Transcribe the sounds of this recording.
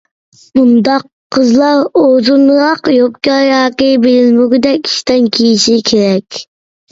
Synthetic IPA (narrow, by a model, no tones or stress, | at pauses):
bund̪ɑqʰːəzlˠɑɾozunɾɑqjopkʲɑjɑːkibelɪlmuɡɪd̪ɛkʲi̥ʃt̪ɛnkʲʰijiʃikʲʰeɾɛkʲ